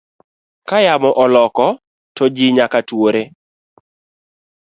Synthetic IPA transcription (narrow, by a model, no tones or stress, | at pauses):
kajamɔʔɔlɔkɔ | tɔd͡ʒiɪɲakatwoɾe